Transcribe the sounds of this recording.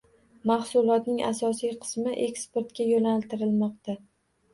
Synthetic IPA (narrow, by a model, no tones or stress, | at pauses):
mahsʊlˠɒt̪nɪŋa̰sɒsijqʰɨ̥smɪʔe̞kspeɾt̪kʲajonalt̪ʰɪɾɪlmɒqt̪a